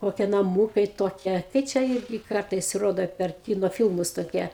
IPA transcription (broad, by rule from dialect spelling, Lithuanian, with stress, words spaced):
ˈkoːkʲiɛ nɐˈmuːkɐɪ ˈtoːkʲiɛ kɐɪ ˈt͡ʃʲɛ ˈɪrʲɡʲɪ ˈkɐrtɐɪs roːdoː pʲɛr ˈkʲɪnoː ˈfʲɪlˠmʊs toːˈkʲiɛ